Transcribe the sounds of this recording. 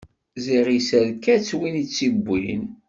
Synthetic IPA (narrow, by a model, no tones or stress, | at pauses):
ziʁisæɾkːæt͡sːwinit͡sːibʷːḭn